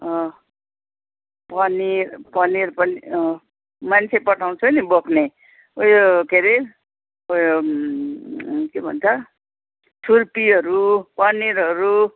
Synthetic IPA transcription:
ʌ | pʌnirpʌnirpʌniʌ | mant͡sʰepʌʈʰaw̃t͡sʰunibokʰne | ojokeɾi | ojo | kebʱʌ̰nt͡sʰʌ | tʰurpiʌɾupʌniɾɦʌɾu

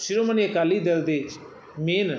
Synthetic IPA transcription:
ʃɪɾoːməniːəkaːliːd̪ɪld̪eːt͡ʃ | meːn

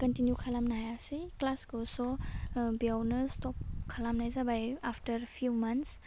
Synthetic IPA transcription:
kɔntinjukʰalamnajasiklasɡosɔbiawnɯstɔp̚kʰalamnajsabajaftɐɾpʰjumɐnts

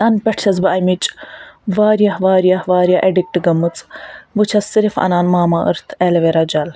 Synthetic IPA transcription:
ɐnpʲɛʈʰt͡ʃʰɐzbɨʔɐmit͡ʃʼʋaːɾijɐhʋaːɾjɐhʋaːɾʲjaʔeɖik̚ʈɡɐmɨt͡sʼbɨt͡ʃʰɐsɨɾifɐ̰naːnmaːmaʔɨ̰ɾt̪ʰɛlɐʋeɾɐd͡ʒɐl

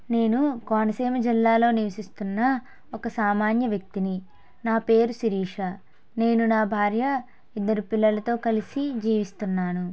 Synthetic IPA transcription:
ne̞ːnukaːnɐsɛːmɐd͡ʒilːaːlo̞ːniʋɐsist̪unːɐ | ɔkɐsaːmaːnjɐʋjɐk̚t̪ini | naːpe̞ːɾusiɾiːʂɐ | ne̞ːnunaːbʱaːɾjɐ | id̪ːɐɾupilːɐlɐt̪o̞ːkɐlisid͡ʒiːʋist̪unːaːnu

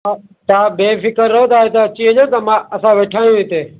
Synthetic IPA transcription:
a | t̪ãːbeːfɪkəɾːɐɦõt̪aːɦet̪aːt͡ɕiːəʄõːt̪ɐmãːʔəsãːʋeːʈʰaːj̃ũĩt̪eː

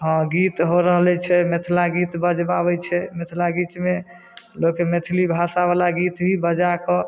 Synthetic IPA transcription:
ɦɔ̃ɡit̪ɦoɾəɦlɛt͡ʃʰɛmet̪ʰlaɡit̪bəd͡ʒbabɛt͡ʃʰɛmet̪ʰlaɡit͡ʃme | lokemet̪ʰlibʱasabalaɡit̪bʱibəd͡ʒakɔ

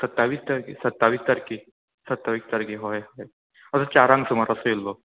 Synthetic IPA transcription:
sət̪ːaʋiːst̪aɾkisət̪ːaʋiːst̪aɾki | sət̪ːaʋiːst̪aɾkiɦojɦɔj | əsət͡ɕaɾãŋɡt̪umaɾəsoilːo

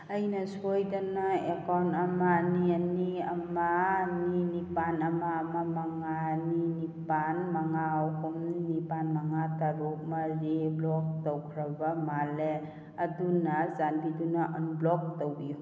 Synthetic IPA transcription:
əjnasojdanaekanamanianiɐmaːninipanɐmamamaŋaninipanmaŋawkɔmnipanmaŋataɾumaɾeblɔk̚towkʰɾabamale | ɐdunazanbidunaʔənblɔk̚towbiju

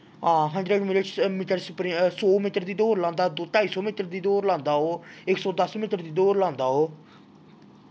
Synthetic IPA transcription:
ɦãːɦə̃nɖɾeːɖmɪʈəmiːʈəɾspɾĩsoːmiːʈəɾd̪iːd̪oːɾlãːnd̪aːd̪oːt̪aːiːsoːmiːʈ̪əɾd̪iːd̪oːɾlãːnd̪aːɦoːɪksɔːd̪əsmiːʈəɾd̪iːd̪oːɾlãːnd̪aːɦoː

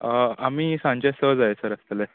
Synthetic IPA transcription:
əamiːsãɲt͡ɕasəd͡zajesəɾəst̪əle

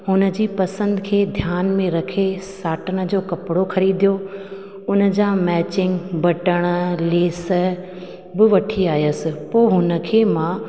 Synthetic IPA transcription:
ɦʊnə̆d͡ʑiːpɐsə̃nd̪̆kʰeːd̪ʱjaːnmẽɾɐkʰesaːʈənə̆d͡ʑoːkɐpɪɽoxɐɾiːd̪ijo | ʊnə̆d͡ʑãmɛːt͡ɕɪ̃ŋɡbɐʈəɽ̃ə̆leːs̆ | bɪʋɐʈʰiaːjəsɪ̆poːɪɦʊnə̆kʰeːmãː

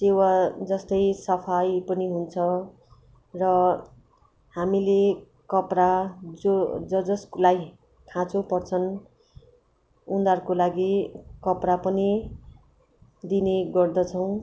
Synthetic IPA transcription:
sewad͡zʌst̪ʌjsʌpʰajpʌniɦunt͡sʰʌ | rʌ | hamile | kʌprad͡zod͡zʌd͡zʌsklaj | kʰãt͡sʰopʌrt͡sʰʌn | und̪arkolaɡikʌprapʌni | d̪ineɡʌrd̪ʌt͡sʰʌw̃

